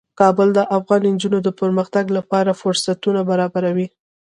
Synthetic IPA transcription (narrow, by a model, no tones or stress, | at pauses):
kɑbəld̪əʔafɣɑnind͡ʒunod̪əpəɾməxt̪aɡlapɑɾafʊɾsat̪unabaɾɑbaɾawi